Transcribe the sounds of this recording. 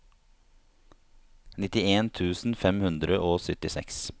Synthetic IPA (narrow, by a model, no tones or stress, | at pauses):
nɪt̪ɪeːnt̪ʰʉːsn̩fɛmhʉnd̪ɾəʔoːsœt̪ɪsɛ̰ks